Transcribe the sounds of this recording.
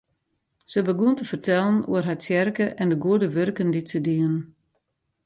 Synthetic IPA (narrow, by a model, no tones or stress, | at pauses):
səbəɡuəntəfərtɛlˠənṵərɦasjɛrkəʔɛndəɡuədəʋørkənditsədiən